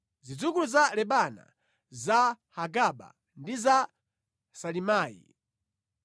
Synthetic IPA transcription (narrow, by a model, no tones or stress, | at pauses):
zid͡zukuluzalɛɓana̰ | za | haɡaɓa̰ | ndiza | salimaːjḭ